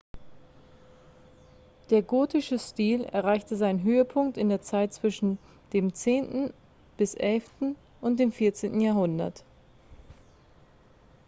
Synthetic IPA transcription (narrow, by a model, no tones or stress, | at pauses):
d̥eːɐɡoːtɪʃəstiːlɛ̰ɐʁaɪçtəzaɪnənɦøːəpʰʊŋk̚tɪndeːɐt͡saɪt̚t͡sv̥ɪʃn̩ | d̥eːmt͡seːntn̩ | b̥ɪsʔɛlftn̩ | ʔʊnt̚d̥eːmfɪɐt͡seːntn̩jaːɦʊndɐ̰t